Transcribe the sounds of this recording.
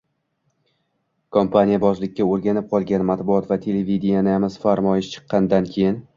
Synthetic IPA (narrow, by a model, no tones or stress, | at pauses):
kʰompʰanʲijabɒzlɪkʲʰːaoɾɡʲanɪp̚qʰɒlˠɡʲanmat̪bʊɒt̪vat̪ʰe̞levid̪ɪjanɪamɪz̥faɾmɒjɪʃt͡ʃʰɨ̥qʰːɑnd̪ankʲʰejɪn